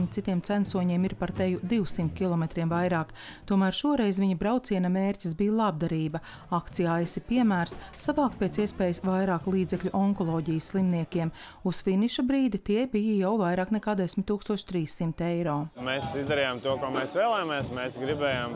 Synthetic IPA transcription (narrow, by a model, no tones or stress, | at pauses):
ɲit̪sit̪iɛmt̪sænsuɔɲiɛmiɾpaɾt̪ɛjud̪iwsimt̪̚ʲkʲilˠɔmet̪ɾiɛmvajɾaːk | t̪uɔmæːɾʃuɔɾɛjzʋiɲɐbɾawt̪siɛnameːɾʲcʲisbijlˠab̚d̪aɾiːbɐ | akt̪sijajɛsipiɛmæːɾsːavɑːkpeːt̪siɛspeːjəsʋajɾaːklˠiːd̪zɛklʎʲuʔɔŋkɔlˠɔːɟijəsːlˠimniɛkʲiɛm | usfiniʃabɾiːd̪it̪iɛbijɐjawvajɾaːknɛkaːd̪ɛsʲmʲɪt̪ːuːkst̪uɔʃt̪ɾiːssːimt̪ejɾɔːmeːsizd̪ɛɾijamt̪uɔkoːmeːsʋeːlˠɛjameɛsmɛːsɡɾibɛːjam